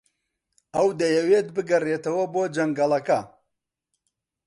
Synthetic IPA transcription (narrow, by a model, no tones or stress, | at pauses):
ɐwd̪ɐjɐweːt̪bɨɡɐret̪ɐwɐboːd͡ʒɐŋɡɐlˠɐkɐ